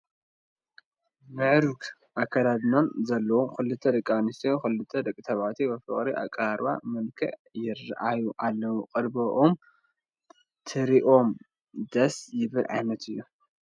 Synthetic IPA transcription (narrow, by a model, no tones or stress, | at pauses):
mɨʕɾuk | ʔakʰːɐd̪ad̪nonzɐlːɐwomkɨlːɨt̪ʰːɐɾɨkʼːanɨst̪ʰijokɨlɨt̪ʰːɐd̪ɐkʼːɨt̪ʰɐβat̪ʰibɐfɨ̰χʼɾiʔa̰kʼaɾa̰mɨlkʰɐ̰ʕjɪr̰ʔajuʔalːɐwuqʼɨɾbɐʔom | t̪ʰɨɾiʔo̞m | d̪ɐsjɪβɨlʕa̰jnɐt̪ʰɨjːu